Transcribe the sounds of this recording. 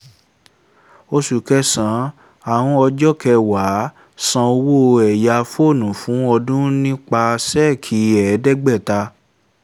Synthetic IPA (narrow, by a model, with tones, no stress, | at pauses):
o˧su˨kɛ˧˦sã˨˦ | a˨w̃ɔ̃˧ɔ˧d͡ʒɔ˦kɛ˧wa˨˦ | sã˧o˧wo˦ɛ˨ja˧fo˦˨nũ˨fũ˨˦ɔ˧dũ˦nĩ˦k͡pa˧sɛ˦˨kʰi˨˦ɛ˨˦dɛ˦ɡ͡bɛ˦˨ta˧